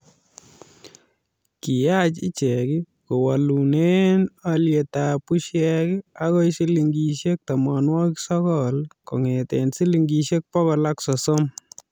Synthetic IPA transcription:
ki˨ja˦t͡ʃi˦t͡ʃɛ˨kɪ˦ | ko˨wa˨lu˨ne˦nalje˨ta˨pu˦ʃjɛ˦kɪa˦kɔ˦isi˦li˨ŋɡi˨ʃe˦k̚ta˨ma˨nwɔ˦kisɔ˦kɔlko̰˨ŋe˨tensi˦li˨ŋɡi˨ʃe˦k̚pɔ˦ɣɔ˨laksɔ˨so˦m

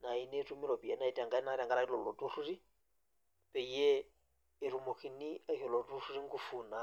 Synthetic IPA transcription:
na˨i˨nɛ˦tu˦mi˦lɔ˨pi˨ɛ˦na˦i˨tʼa˨ŋɡa˦i˦na˦ɾa˨ŋɡala˦i˦lɔ˨lɔ˨tu˦ru˦ri˦ | pɛ˨iɛː˦˨ | ɾu˨mo˨ki˨ni˦a˦ɦi˨lɔ˨tu˦ɾu˦ɾi˦ŋ̩˦kufuːna˨

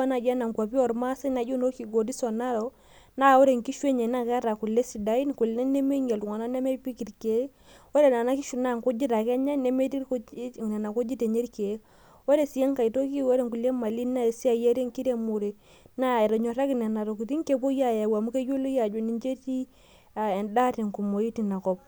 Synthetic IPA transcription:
a˦na˨d͡ʒa˦na˨ŋka˨pi˦ɔ˨ɾma˦sɛ˦na˨d͡ʒu˦no˦ki˨ɡo˨di˦sɔ˨na˦ɾo˨ | na˦˨wo˦ɾe˨ŋki˦ʃwe˦ɲe˨na˦˨kɛ˦ɾa˨ku˨lːe˦si˨da˨˦i˦n˨ku˨lnɛ˦ne˦me˦ŋe˨ltu˨ŋa˨na˦nɛ˦me˦pi˦ki˨ɾke˨˦ | wo˦ɾe˨na˨na˦ki˦ʃu˨na˦˨ŋko˦d͡ʒi˦ta˨kɛ˦ɲa˦ne˦me˦ti˦ɾkna˨na˨ko˦d͡ʒi˦te˨ɲe˦ɾke˨˦ | wo˦ɾe˨si˨jɛ˦ŋka˨i˨to˦ki˦wɔ˦ɾe˦˨ŋku˨le˦ma˨li˦na˦˨si˦a˨je˦ɾe˦ŋki˦ɾe˦mu˨ɾe˨ | na˦ɛ˨ɾɔ˨ɲɔ˨ɾa˦ki˨nɛ˨na˨ɾo˨ku˨ti˦ŋ˦ke˨po˦ja˦ja˨wa˨mu˦ke˦d͡ʒo˦lo˦ja˨d͡ʒo˨ni˨ɲd͡ʒe˦ti˦ | a˨ɛ˨nda˦ti˨ŋku˨mo˨ji˦ti˨na˨kɔ˦˨p̚

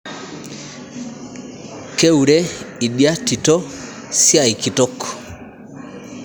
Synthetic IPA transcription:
ke˦u˨ɾe˦i˨dja˦ti˨tɔ˦ | sja˨i˨ki˨tɔ˦k

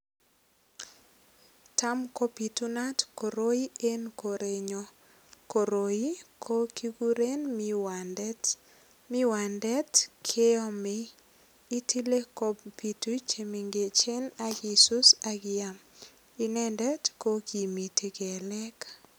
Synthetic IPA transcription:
ta˦mko˦pi˨tu˦na˦tko˨ɾo˦i˦e˦nko˨ɾe˨ɲo˦ | ko˨ɾo˨i˦kʰo˦kʰi˦ɡu˦ɾe˦nmiwandt | mɪ˦wa˨ndɛ˦tkʰe˦ɔ˦mɪː˦ | tʰi˦le˦ko˦pi˨tu˦t͡ʃe˨mi˨ŋɡe˨t͡ʃe˦na˦ɡi˨su˦sa˦ɡɪa˨m | i˦nɛ˦ndɛ˦tko˦ki˨mi˨ti˦ɡɛ˨lɛ˦k

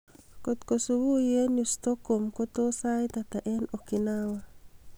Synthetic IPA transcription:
ko˨t̪ko˨suwu˦je˦njust̪ɔ˦komko˦t̪o˦sa˦jt̪at̪a˨ʔɛ˦no˨kɪnawa

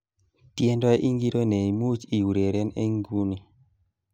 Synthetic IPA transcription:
tje˦ndɔ˦ɛ˦ʔi˦ŋɡi˦ɾo˦ne˨i˨mu˦t͡ʃi˨u˨ɾe˨ɾe˦nḛ˦ŋɡu˦ni˨

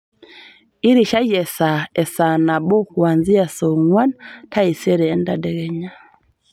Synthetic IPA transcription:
i˦ɾi˨ʃa˦jɛ˨sa˨ɛ˨sa˨na˨bɔ˦kwa˨nzi˦a˨sɔ˨ŋwa˦nta˦i˨sɛ˦ɾɛ˨˦nda˦dɛ˨ɣɛ˨ɲa˦

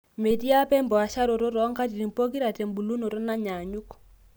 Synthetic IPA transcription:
me˨ti˦a˦pɛ˦mbɔ˨a˨ʃa˦ɾo˨ɾo˦ɾɔ˨˦ŋka˦t̬i˨ɾi˨mpo˦ki˦ɾa˨tɛ˨mbu˨lu˦no˨ɾo˦na˦ɲa˨ɲu˦k

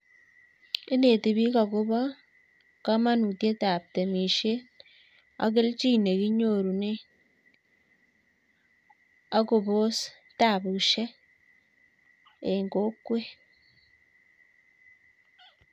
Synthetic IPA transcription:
ɪ˦ne˨ti˨βi˦ka˨kʊ˦βɔ˦ | ka˦ma˦nu˨tje˦ta˨p̚te˨mi˨ʃe˦t | a̰˨k̬ɪ˦lt͡ʃi˦ne˨ki˦ɲo˨ɾu˨ne˦ | a˦ku˨bo˦s | ta˨bu˨ʃe˦ | e˨ŋɡo˦kːwe˦

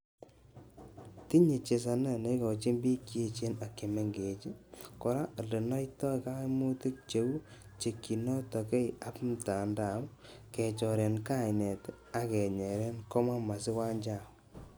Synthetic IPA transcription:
ti˦ɲe˨t͡ʃe˨s̬a˨na˦ne˦jkɔ˨t͡ʃi˦mbi˦ke˦t͡ʃe˦na˨kːe˨me˨ŋɡe˨t͡ʃi˦kɔ˨ɾa˦˨de˨na˦jtɔ˦˨ka˦mu˦ti˦k̚t͡ʃe˨˦wu˦t͡ʃe˨kːi˨nɔ˦tɔ˨ke˦ja˨˦pmta˨nda˨˦m˦kɛ˨t͡ʃɔ˨ɾe˨nka˦˨jnɛ˨t | a˦kɛ˨ɲɛ˨ɾɛ˦nkɔ˦ma˦ma˨sɪ˦wa˦ɲd͡ʒa˦˨

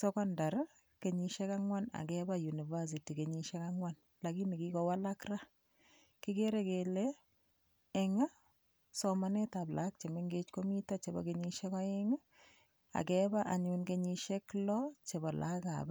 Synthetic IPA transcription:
sɔ˦kɔ˦nda˨ɾ | ke˨ɲiʃɛ˦ka˦ŋwa˦na̰˨kɛba˦ju˨ni˨va˦s̬i˨ti˨keɲiʃɛ˦ka˦ŋwan | la˨ki˦mi˨ki˦kɔwa˦la˦kra˦ | ki˦ke˦ɾe˦kelɛː˦˨ | ŋa˦ | sɔmanɛ˦ta˨plʔa̰k̚t͡ʃe˨me˦ŋɡet͡ʃko˦mi˦tat͡ʃe˨bɔ̰˨keɲiʃɛ˦kɔ˦e˦ŋa˦ | a̰˨kɛba˦ʔa˨ɲʊnkeɲi˧ʃe˦klɔt͡ʃe˨bɔ˨lʔa̰˦ka̰˨b

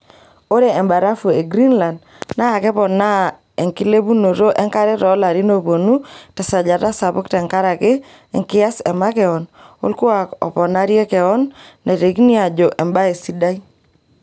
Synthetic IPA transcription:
o˦ɾe˨ɛ˨mba˨ɾa˦fu˨e˨ɡɾi˦nla˨nd | na˦a˨kɛ˦pɔ˨na˦ | ɛ˨ŋkɪ˦le˦bu˦no˨ɾo˦ʔɛ˦ŋka˦ɾɛ˦ɾɔ˨˦la˨ɾi˦no˦po˨nu˦tɛ˨sa˨d͡ʒa˨ta˦sa˨pʊ˦ktɛ˨ŋka˦ɾa˨kɪ˦ | ɛ̰˨ŋkɪ˦a˦sɛ˨ma˦kɛ˨ɔ˨no̰˦lkʊ˦a˨kɔ̰˨pɔ˨na˦ɾjɛ˦kɛ˨ɔ˦nːe˨te˨ki˦ni˦a˨d͡ʒo˨ʔɛ˨mba˦e˨si˦da˦i˦

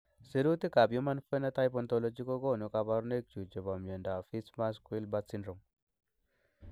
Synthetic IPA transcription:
si˨ɾu˦t̪i˦ka˨bju˦ma˦nfe˦na˦t̪a˦jp̬ɔ˦nt̪o˧lo˦d͡ʒi˦ko˦ɡo˦˨nu˨ka˨ba˦ɾu˦ne˦k̚t͡ʃu˨d͡ʒe˨ba˨mje˨nda˨fi˦sma˦skwi˦lba˦t̪si˦nɾo˨m

